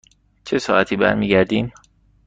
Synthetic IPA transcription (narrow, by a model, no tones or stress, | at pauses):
t͡ʃʰesɒːæt̪ʰiːbæ̰ɾmiːɡæɾd̪iːm